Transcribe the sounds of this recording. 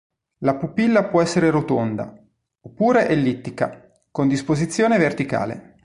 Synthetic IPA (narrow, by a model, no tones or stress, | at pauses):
lapupilːapwɔɛsːeɾeɾot̪ond̪a̰ | opːuːɾeʔɛlːit̪ːika | kond̪ispozit̪sːjoːnevert̪ika̰ːlḛ